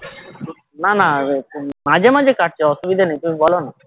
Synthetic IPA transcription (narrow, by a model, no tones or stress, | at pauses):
nana | mad͡ʑʱemad͡ʑʱekaʈ̚t͡ɕeɔʃubid̪ʱanejt̪umibɔlona